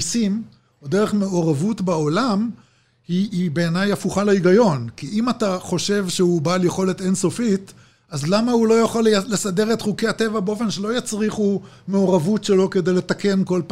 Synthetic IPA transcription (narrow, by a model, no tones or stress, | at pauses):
sim | odeʁeχme̞oʁavutbao̞lam | hiːbe̞ːnajafuχaleiɡajo̞nkiʔimataχo̞ʃe̞vʃehubaːljeχo̞le̞tenso̞fit | azlamahulo̞jaχollesadeʁe̞tχukejhate̞vabeo̞fe̞nʃe̞lo̞jat͡sʁiχu | me̞oʁavutʃe̞lo̞ke̞de̞jle̞t̪akenko̞lpa